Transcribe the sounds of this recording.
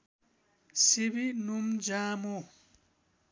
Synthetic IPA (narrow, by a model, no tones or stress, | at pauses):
siβinumd͡ʒaːmo